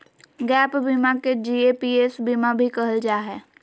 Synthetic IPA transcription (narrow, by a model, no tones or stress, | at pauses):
ɡɛːpbimaked͡ʒiːepiesbimabʱikɐɦəld͡ʒaːɦɛː